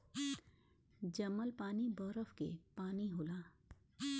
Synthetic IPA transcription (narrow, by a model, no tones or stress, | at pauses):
d͡ʒɐməlpaːnibɔɾəfkḛpaːniɦolaː